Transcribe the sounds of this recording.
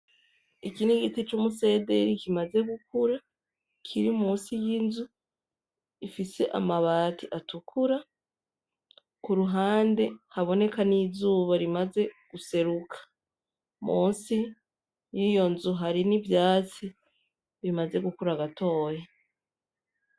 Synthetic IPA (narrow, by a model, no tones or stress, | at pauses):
ikiniɡitit͡ʃumuse̞ːde̞ɾikimaze̞ɡukuɾa | kʰiɾimuːnsijinzu | ifiseʔa̰maβaːtiʔatukʰuɾa | kuɾuɦaːnde̞haβo̞ne̞kanizuːβaɾimaze̞ɡ̥use̞ɾukʰḁ | mʔuːnsi | jijo̞nzuɦaɾinivjaːt͡si | βimaze̞ɡukuɾaɡatʰo̞ːje